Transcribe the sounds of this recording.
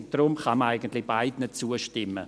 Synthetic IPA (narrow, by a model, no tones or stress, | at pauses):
d̥rʊmχaməaɪɡəntlɪb̥aɪdnət̚t͡suəʃtɪmə̰